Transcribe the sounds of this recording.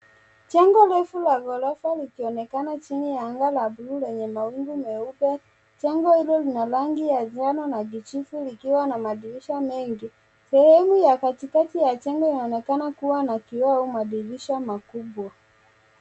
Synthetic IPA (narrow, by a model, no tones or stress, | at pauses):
t͡ʃɛŋɡɔlɛfulaɡɔlafalikiɔnɛkanat͡ʃinijaaŋɡalablulɛɲɛmawiŋɡumɛuɓɛ | t͡ʃɛŋɡɔhilɔlinalaŋɡijazanɔnaɡit͡ʃifulikiwanamaɗiliʃamɛŋɡi | sɛhɛmujakatikatijat͡ʃɛŋɡɔinaɔnɛkanakuwanakiwaumaɗiliʃamakuɓwa